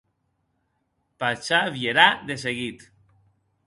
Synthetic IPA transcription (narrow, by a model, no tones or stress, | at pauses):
pat͡ʃaβjeɾaðes̬eɣit̪